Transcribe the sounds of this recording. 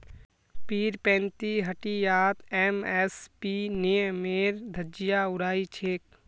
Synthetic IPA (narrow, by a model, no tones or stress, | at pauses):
piːɾpɛ̃ːnt̪iɦɐʈijaːt̪ɛːmɛspineːmeːɾd̪ʱɐd͡ʒijaʊɾaːit͡ʃʰeːk̚